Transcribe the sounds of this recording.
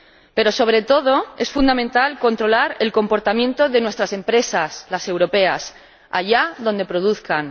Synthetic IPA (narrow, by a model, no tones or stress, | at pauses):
pe̞ɾo̞so̞β̞ɾe̞t̪o̞ð̞o̞e̞sfund̪amẽnt̪alko̞nt̪ɾo̞laɾe̞lko̞mpo̞ɾt̪amjent̪o̞ðe̞nwe̞st̪ɾase̞mpɾe̞saslase̞wɾo̞pe̞as | a̰ʝaðo̞nd̪e̞pɾo̞ðuθkan